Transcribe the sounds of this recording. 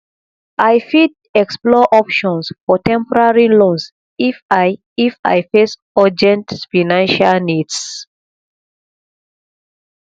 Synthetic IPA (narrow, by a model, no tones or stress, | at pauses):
ʔajfid | ɛksplɔʔɔpʃɔ̃nsfɔtɛ̃mpɔɹaɹilõns | f | ifa̰jfes | ɔd͡ʒɛ̃ntfanãnʃalnids